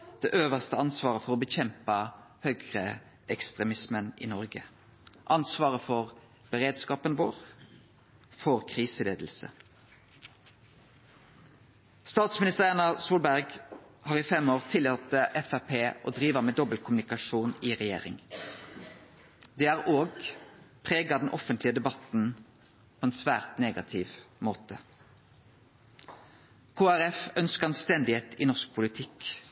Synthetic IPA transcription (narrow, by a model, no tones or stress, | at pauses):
d̪̥ḛːʔøːʋəʁst̪əɑnsʋɑːʁəfɔʁoːbəçɛmpəhœɡʁə | ɛkst̪ʁɛmɪsmənḭːnɔʁɡə | ʔɑnsʋɑːʁəfɔʁ | b̥əʁeːd̪skɑːpənʋoːʁ | fɔʁkʰʁiːsəleːd̪l̩sə̰ | st̪ɑːt̪smɪnɪst̪əʁɛnɑsuːlbæʁɡ | hɑːʁiːfɛmoːʁt̪ʰɪlɑt̪əʔɛfæʁpʰeːʔo̰ːd̪ʁiːʋəʁmeːd̪ɔbəlkʰʊmnɪkɑʃuːniːʁɛjḛːʁɪ̰ŋ | d̪eːæːʁʔoːɡpʰʁeːɡɑd̪n̩ʔɔfənt̪lɪəd̪ɛbɑt̪n̩ | pʰoːeːnsʋæ̰ːʁt̪neːɡɑt̪ʰɪʋmoːt̪ə | kʰoːæʁɛfœnskəʁnst̪ɛnd̪ɪheːt̪ḭːnɔʁsk̚pʰʊlɪt̪ʰɪk